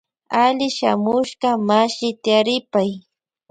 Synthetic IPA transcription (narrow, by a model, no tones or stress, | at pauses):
aʎɪʃa̰mʊʃɢɑmaʃɪt̪ɪaɾɪpaj